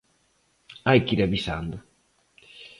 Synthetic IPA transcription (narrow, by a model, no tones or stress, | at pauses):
ajkiɾaβisa̰nd̪ʊ